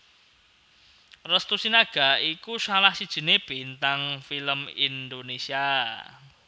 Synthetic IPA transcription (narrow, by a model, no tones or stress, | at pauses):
rəst̪usinaɡ̥a̤ikusalahsid̥ʒ̥ə̤neb̥int̪aŋfiləmind̪onesia